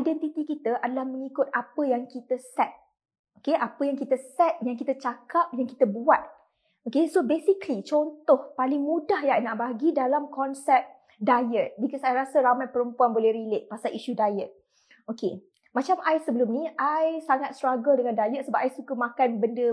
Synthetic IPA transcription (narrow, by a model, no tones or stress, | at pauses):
ajdɛnt̪it̪ikit̪əʔadalahmə̃ŋikʊt̪̚apəjaŋkit̪əsɛt̪̚ | okeʔapəjaŋkit̪əsɛt̪̚jaŋkit̪ət͡ʃakap̚jaŋkit̪əbuat̪̚ | okesobesiklit͡ʃɔnt̪ɔhpalɪŋmũdahjajnaʔbaɡidalamkɔnsɛp̚ | dajɛt̪̚bikɔsajɾasəɾamat̪̚pəɾəmpuanbolɛhɾilet̪̚pasaliʃudajɛt̪̚ | oke | mãt͡ʃamʔajsəbəlʊmnĩajsaŋat̪̚st̪ɾaɡəldəŋãndajɛt̪̚səbap̚ʔajsukəmãkanbəndə